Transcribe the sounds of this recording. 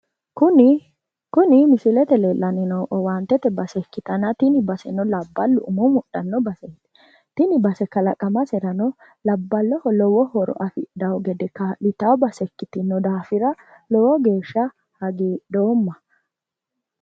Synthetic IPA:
kʊn | kʊnɪmɪsɪlɛt̪ɛlelːɐnɪnɔwʔɔwant̪ːɛt̪ɛbɐsɛkːɪt̪ɐnɐt̪ɪnɪbɐsɛnɔlɐbːɐlːʊʔʊmɔmʊɗːɐnːɔbɐsɛt̪ | t̪ɪnɪbɐsɛkɐlɐkʼɐmɐsɛɾɐnɔ | lɐbːɐlːɔhɔlɔwɔhɔɾɔ̰ʔɐfɪd̪ɐwɔɡɛd̪ɛkːɐlɪt̪ɐwɔbɐsɛkːɪt̪ɪnːɔd̪aːfɪɾɐ | lɔwɔɡe̞ːʃːɐ | hɐɡeːd̪o̞ːmːɐ

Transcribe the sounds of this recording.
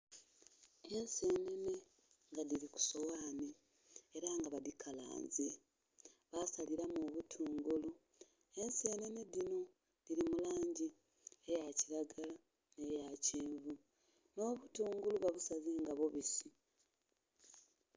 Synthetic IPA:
e̞nse̞ːne̞ne̞ | ŋɡaðiɾiku̥so̞waːni | eɾaŋɡaβadikʰala̰ːɲze | βasaliɾamoːβutʰuːŋɡulu | e̞nse̞ːne̞ne̞dino̞ | diɾimulaːɲɟi | ejaciɾaɡala | nejaceːɱvu | no̞ːβutuːŋɡuluβaβusazeːŋɡaβo̞βisi

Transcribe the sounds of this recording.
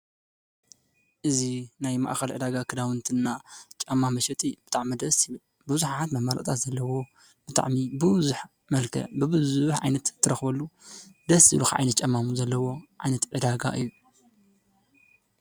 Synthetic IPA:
ʔɨzinajma̰ʔxɐlʕɨd̪aɡakʰɨd̪awɨnt̪ʰɨnːat͡ʃʼɐmːamɐʃɛt̪ʼib̥ɨt̪ʼaʕmɐd̪ɐsjɪβɨl | bɨɨzuħat̪mɐmːalɐ̰ʔʼt̪ʰat̪zɐlːɐwo̞ | b̥ɨt̪ʼa̰ʕmibɨβɨzuħ | mɐlkʰɐ̰bɨbɨzuħʕa̰jnɐt̪t̪ʰːɐɾɐxbɐlːud̪ɐsḭlukʕa̰jnɐt̪̚t͡ʃʼɐmːamuzɐlːɐwo̞ʕajnɐt̪ʕɨd̪aɡa̰ʔɨ̰jːu

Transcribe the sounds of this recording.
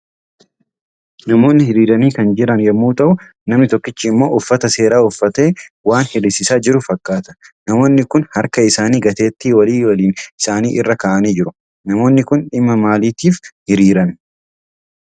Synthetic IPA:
nɐmo̞ːnːɪhɪɾiːɾɐniːkɐnd͡ʒɪɾɐnjɐmːuːt̪ɐʔʊ | nɐmnɪt̪ɔkːɪt͡ʃːiɪmːo̞ːʔʊfːɐt̪ɐse̞ːɾaːʊfːɐt̪e̞ːwaːnhɪɾɪsɪsaːd͡ʒɪɾʊfɐkʼːaːt̪ɐ̥nɐmo̞ːnːɪkʊnhɐɾkɐɪsaːniːɡɐt̪e̞ːt̪ːiwɐliːwɐliːnɪsaːnḭːʔɪrːɐkaːʔɐniːd͡ʒɪɾʊ | nɐmo̞ːnːɪkʊnᶑɪmːɐmaːliːt̪iːfhɪɾiːɾɐn

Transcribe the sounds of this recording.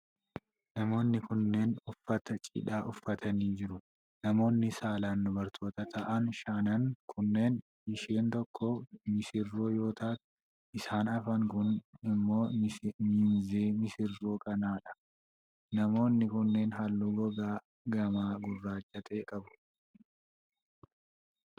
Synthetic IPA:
nɐmo̞ːnːɪkʊnːe̞ːnʊfːɐt̪ɐt͡ʃʼɪ̰ᶑaːʔʊfːɐt̪ʰɐniːd͡ʒɪɾʊ | nɐmo̞ːnːɪsaːlaːnd̪ʊbɐɾt̪ʰo̞ːt̪ɐt̪ʰɐʔɐnʃaːnɐnkʰʊnːe̞ːn | ɪʃeːnt̪ɔkʰːɔmɪsɪrːoːjo̞ːt̪aːt̪ | ʔɪsaːnɐfɐŋkʊnɪmːo̞ːmɪnzeːmɪsɪrːoːkʼɐnaːᶑɐ̥ | nɐmo̞ːnːɪkʊnːe̞ːnɦɐlːuɡɔɡaː | ɡɐmaːɡʊrːaːt͡ʃʼːɐt̪ʼeːkʼɐbʊ̥

